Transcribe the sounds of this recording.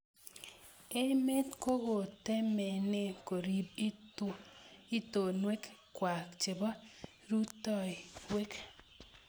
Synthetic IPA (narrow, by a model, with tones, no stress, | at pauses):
e˦me˦t̪ko˦ɣo˨te˦mɛ˨nɪ˦ko˨ɾi˨b̚i˦ | i˦to˨nwe˦kkwa˨kt͡ʃɪ˨bɔ˦ | ɾu˦tɔ˦˨i˨we˦k